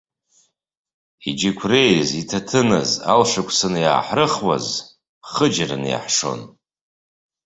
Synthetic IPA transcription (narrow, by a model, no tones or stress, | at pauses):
id͡ʒikʷʰrejzitʰatʰɨnɨ̰za̰lʂakʷʰʼsɨnja̰ːħrɨχwa̰z | χəd͡ʒrɨ̰nja̰ħʂo̞̰n